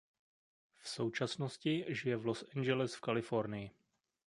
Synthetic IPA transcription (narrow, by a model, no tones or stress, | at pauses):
fso̞wt͡ʃasnoscɪʒɪjɛvlosʔɛnd͡ʒɛlɪsfkalɪfo̞ɾnɪjɪ